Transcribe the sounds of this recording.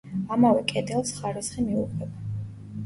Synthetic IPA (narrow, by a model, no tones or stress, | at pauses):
amavɛkʼɛd̪ɛlˠsχaɾisχimiuqʼwɛba